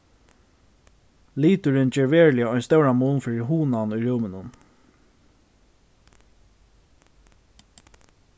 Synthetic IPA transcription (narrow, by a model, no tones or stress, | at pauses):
liːt̪ʊɾɪnt͡ɕɛːɹʋɛːɹlɪaɔjnst̪ɛwɾamuːnfɪɹɪɦuːnanujɹɛwmɪnʊn